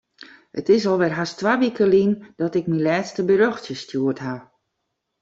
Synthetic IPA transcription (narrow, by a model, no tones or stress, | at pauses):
ətɪs̬ɔlˠʋɛrɦastʋaːʋikəlind̥ɔtɪk̚milɛːtstəbəɾøxtjəstjuətɦa